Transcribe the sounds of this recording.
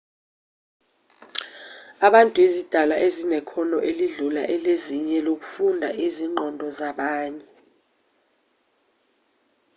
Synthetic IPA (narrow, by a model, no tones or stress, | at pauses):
aɓantʼuezid̥ʱalaʔezinɛkʰɔnɔʔeliɮula̰ʔɛleziɲɛlok̬u̥fundʱaʔiziŋ͡ǃʱɔndʱɔzaɓaːɲɛ